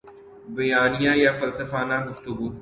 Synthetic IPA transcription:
bɐjaːnijãːjafɐlsəfaːnãɡʊft̪ʊɡuː

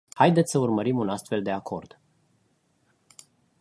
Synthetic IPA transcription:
hajd̪et̪sʲsəurməɾimunast̪fe̞ld̪e̞akʰo̞̰rd̪̥

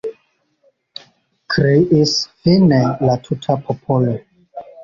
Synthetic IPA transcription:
kʰɾiʔisfinelatʰutʰapʰopʰolo

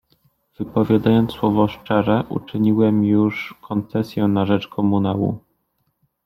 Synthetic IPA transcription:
v̥ɘpɔvʲjad̪ajɔnt̪swɔvɔʂt͡ʂɛʐɛʔṵt͡ʂɘɲiwɛmjuʂkʰɔnt̪sɛsʲjɛnaʐɛt͡ʂkʰɔmunawṵ

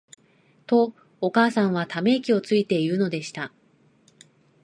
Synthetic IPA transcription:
t̪o̞ː | kaːsãɰ̃β̞at̪ame̞kʲio̞t͡sɨit̪e̞iɯno̞d̪e̞ɕi̥t̪a

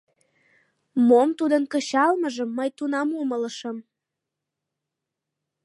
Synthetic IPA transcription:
momt̪ud̪ənkəɕɑlməʒəmːəjt̪unɑmumələʃəm

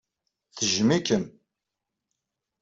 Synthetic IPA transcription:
θəʒmikəm

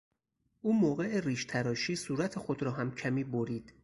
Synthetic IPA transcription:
ʔuːmoːɣe̞eriːʃt̪ʰæɾɒːʃiːsuːɾæt̪ʰexod̪ɾɒːɦæmcʰæmiːboɾiːd̪̥

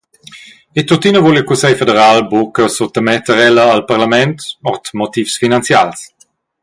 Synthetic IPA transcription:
et̪ot̪inəvolikusɛjfedəɾalbokəsot̪əmɛt̪əɾɛləːlpaʁlamɛnt̪ɔʁt̪mot̪ifsfinant͡sjals

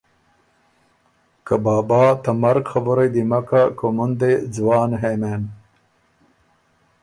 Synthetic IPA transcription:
kabɑːbɑːt̪amɐɾɡxaboɾajd̪imakakomund̪ed͡zwɑːnɦemeːn

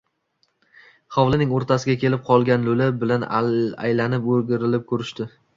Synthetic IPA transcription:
χawlˠɪnɪŋoɾt̪ʰasɪɡʲakʲʰe̞lɪp̚qʰɒlˠɡʲanlɵlɪbɪlana̰jlanɪpoɾɡʲɪɾɪlɪp̚kʰɵɾɪʃt̪ɪ

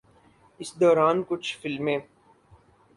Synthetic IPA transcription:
ɪsd̪ɔːɾaːnkʊt͡ʃʰfɪlmẽː

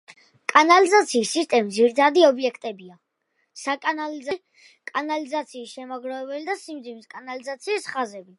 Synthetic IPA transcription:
kʼanalizat̪sʰiːsːist̪ʼɛmid̪ziɾit̪ʰad̪iɔbiɛkʰt̪ʼɛbia | sakʼanaliza | kʼanalizat̪sʰiːsʃɛmaɡɾavɛbɛlid̪asimd̪zimiskʼanalizat̪sʰiːsχazɛbi

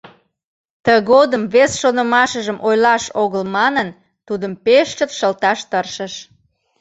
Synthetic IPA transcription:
t̪əɣod̪əmβesʃonəmɑʃəʒəmʔojlɑʃoɣəlmɑnən | t̪ud̪əmpeʃt͡ʃət̪ʃəlt̪ɑʃt̪ərʃəʃ

